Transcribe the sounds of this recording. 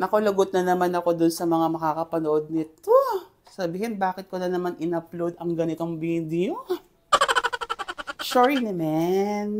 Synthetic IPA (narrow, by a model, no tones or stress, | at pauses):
nɐkolɐɡot̪̚nɐnɐmanɐko̞d̪ʊnsɐmɐŋamɐkakɐpɐnoʔod̪̚nɪt̪o | sɐbiːhɪnbaːkɪt̪̚konɐnɐmanʔɪnɐplod̪ɐŋɡɐnɪt̪o̞ŋbiːd̪jo | ʃoɹinɛmɛn